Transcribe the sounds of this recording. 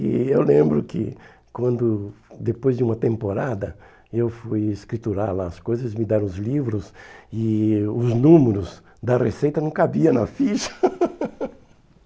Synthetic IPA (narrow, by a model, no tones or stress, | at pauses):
ɪ̰ewlẽmbɾʊkɪ̰ | kwɐ̃nd̪ʊd̪epojzd͡ʒɪũmɐt̪ẽmpoɾad̪ɐ | ewfujeskɾit̪uɾaɾlaɐskojzɐzmɪd̪aɾɐ̃ʊzlivɾʊsɪʊznũmeɾʊz | d̪ɐresejt̪ɐnɐ̃w̃kabiɐnɐfiʃɐ̥